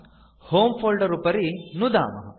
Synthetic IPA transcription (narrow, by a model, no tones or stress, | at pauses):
hoːmpʰoːlɖɐɾupɐɾinud̪a̰ːmɐɦɐ